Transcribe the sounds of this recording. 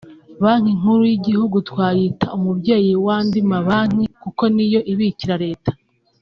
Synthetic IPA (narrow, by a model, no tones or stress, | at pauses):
βaŋ̥hiŋ̥huɾujiɟihuɡutwaːjitaumubɟe̞ːjiwaːndimaβaŋ̥ikuko̞nijo̞ʔiβiciɾaɾe̞ːtḁ